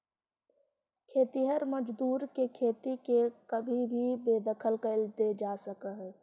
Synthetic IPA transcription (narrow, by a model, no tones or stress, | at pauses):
kʰeːt̪iɦəɾməd͡ʒd̪uːɾkekʰeːt̪ikekəbʱibʱibeːd̪əkʰəlkəlt̪ed͡ʒaːsəkəɦɛ